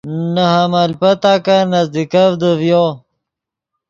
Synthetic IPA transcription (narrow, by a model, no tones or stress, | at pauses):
nəɦamalpɐt̪aːkanazd̪ikavd̪əvjo